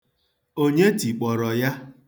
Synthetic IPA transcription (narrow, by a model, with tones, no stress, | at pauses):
o˦ɲe˦ti˨k͡pɔ˨ɾɔ˨ja˦